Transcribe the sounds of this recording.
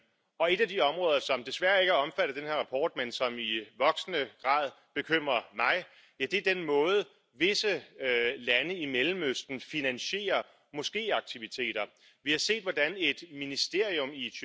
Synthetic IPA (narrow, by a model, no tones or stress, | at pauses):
ɒ̽e̝d̥æd̥iɒ̽mʁɔ̽ːð̞ˠɐsɒ̽md̥e̝sʋæɐe̝ɡ̥hɒ̽mfæɾ̥ɐd̥enhe̝ɐ̰ʁɑ̈pʰɒ̰ːd̥̚mensɒ̽miʋɒ̽ɡ̥snəɡ̥ʁɑ̰̈ːð̞ˠ | b̥e̝kʰøm̰ʁɐmɑ̈ɪ | jæd̥e̝ɐd̥enmɔ̽ːð̞̩ˠə | ʋe̝səlænəimelm̩øsd̥n̩finænɕe̝̰ːɐ | mɒ̽sɡ̥e̝̰ːɑ̈ɡ̥̚t͡sʰiʋit͡sʰe̝̰ːd̥ɐ | ʋihɑ̈se̝̰ːd̥ʋɒd̥æne̝d̥minisd̥e̝ɐ̰iɔ̽miy